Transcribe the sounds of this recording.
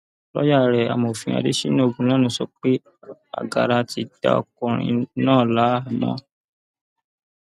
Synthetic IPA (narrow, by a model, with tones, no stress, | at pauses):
lɔ̰˦ja˦˨ɾɛ˨a̰˨mo˨fĩ˧a̰˧de˦ʃi˦nũ˦o˦˧˨ɡũ˧˦lã˦nũ˧˦sɔ˧k͡pe˦ | a̰˨ɡa̰˨ɾa˧ti˧da̰˨ɔ̰˧˨kũ˨ɾ̃ḭ̃˧nãː˦˨la˨˦˨mɔ̰̃˦